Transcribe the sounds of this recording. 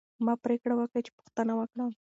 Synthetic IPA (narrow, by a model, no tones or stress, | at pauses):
mɑpɾekɽawəkət͡ʃɪ̥pʊ̥xt̪ənawəkɽa